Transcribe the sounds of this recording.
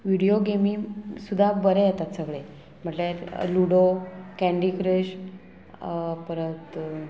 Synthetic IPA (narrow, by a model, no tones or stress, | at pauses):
ʋiɽijoɡemisud̪ʱːabəɾejat̪at̪səɡɭe | m̤əɳʈleɾluɽokæ̃ɳɖikɾəɕ | pəɾət̪